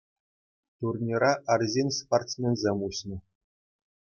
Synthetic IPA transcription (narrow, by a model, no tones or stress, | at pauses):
t̪urnʲiɾɑʔɑrʲzʲenʲsport̪t͡smʲenʲzʲemʲuɕnʲɤ̆